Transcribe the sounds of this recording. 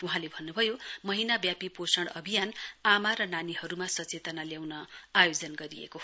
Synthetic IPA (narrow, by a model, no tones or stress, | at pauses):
uɦãlebʱʌnːubʱʌjomʌɦinabjapiposʌɽʌbʱijanamaɾʌnanihʌɾumasʌt͡set̪ʌnaljawnʌajod͡zʌnɡʌɾijḛko